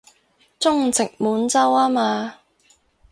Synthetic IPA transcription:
t͡sʊ˥ŋt͡sɪ˨k̚muː˨˥nt͡sɐ˥waː˥maː˧

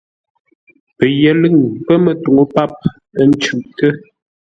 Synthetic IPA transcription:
pə˨jɛ˨lə˦˨ŋpə˦mə˨tu˨ŋo˦pa˦˨p̚ | ə˦˨n˦t͡ʃʉ˨ʔtə˦

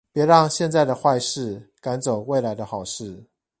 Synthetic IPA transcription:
pjɛ˧˥ɻɑ˥˧ŋɕjɛ˥˧nt͡sa˥˩ɪd̪ə˩xwa˥˧ɪʂɻ̩˥˩ka˧˦˥nt͡so˨˩ʊwe˥˩ɪla˧˥ɪd̪ə˧xɑ˨˩ʊʂɻ̩˥˩

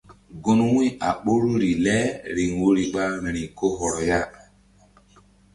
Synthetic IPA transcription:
ɡo˦nwĩ˦a̰˨ɓo˦ɾu˦ɾi˨lɛ˦ɾi˨ŋ˨wo˦ɾi˨ɓa˦ɾɾĩ˨ko˦ɦɔ˨ɾɔ˨ja˦

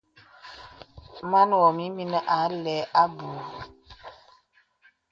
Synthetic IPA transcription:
ma˦n˨wɔ˨mi˦mi˦n˦ʔa˨˦lɛ˨˦ʔa˦bu˨

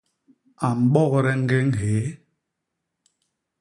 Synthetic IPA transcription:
a˨m̩˨ɓɔ˦ɣɾɛ˦ŋ̩˦ɡe˦ŋ̩˦ɦe˨˦

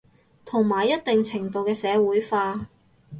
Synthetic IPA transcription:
t̪ʰʊ˨˩ŋmaː˨˩jːɐ˥t̚t̪ɪ˨ŋt͡sʰɪ˨˩ŋt̪o˨˧wkɛː˧sɛː˨˧wuː˨˥jfaː˧

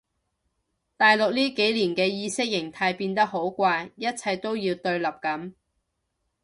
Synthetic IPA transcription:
t̪aː˨jlʊ˨k̚liː˥ke˨˥jliː˨˩nkɛː˧jiː˧sɪ˥k̚jɪ˨˩ŋt̪ʰaː˧jpiː˧nt̪ɐ˥k̚ɦo˨˥wkʷaː˧jjɐ˥t̚t͡sʰɐ˧jt̪o˥wjiː˧wt̪ɵ˧ɥlɐ˨˩p̚kɐ˨˥m

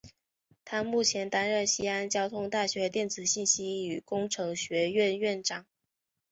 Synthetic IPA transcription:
t̪ʰa˥mu˥˩t͡ɕʰjɛ˧˥nt̪a˥nɻə˥˩nɕi˥a˥nt͡ɕjɑ˥ʊt̪ʰʊ˥ŋt̪a˥˩ɕɥɛ˧˥t̪jɛ˥˩nt͡sɹ̩˨˩ɕi˥˩nɕi˥y˨˩kʊ˥ŋʈ͡ʂʰɤ˧˥ŋɕɥɛ˧˥ɥɛ˥˧nɥɛ˥˩nʈ͡ʂɑ˨˩˦ŋ

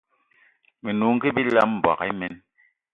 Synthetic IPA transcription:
mi˨nu˨˦ŋ̩˦ki˦bi˦la˦m̩˨bwa̰˨ki˦mɛ˦n

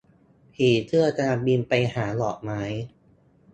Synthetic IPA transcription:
pʰiː˨˩˦t̪ʰɯ˥˩ət̪a˧a˧bi˧npa˧jhaː˩˦lɔː˨˩k̚maː˦˥j

